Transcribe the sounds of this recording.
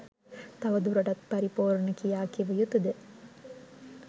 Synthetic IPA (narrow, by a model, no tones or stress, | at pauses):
t̪ɐʋɐd̪uɾɐɖɐt̪̚pɐɾipoːɾnəkijaːkiʋəjut̪ud̪e